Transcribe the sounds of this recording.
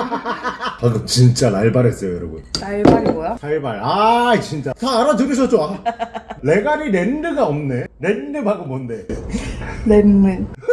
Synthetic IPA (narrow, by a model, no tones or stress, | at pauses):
kakɯmt͡ɕint͡ɕ͈anaɭbaɾɦes͈ʌjojʌɾʌbṵnnaɭbaɾbojasʰaɭbaɾat͡ɕint͡ɕ͈ataːɾadɯɾiɕ̬ʰʌt̚t͡ɕ͈oa | le̞ɡaɾiɾendɯɡaʌmne̞ɾendɯmhaɡomʌnde̞ | lenːɯ